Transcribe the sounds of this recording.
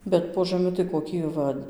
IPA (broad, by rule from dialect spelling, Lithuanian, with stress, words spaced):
ˈbʲɛt poː ʒɐˈmʲɪ tɐɪ koːˈkʲɪ ˈʋɐ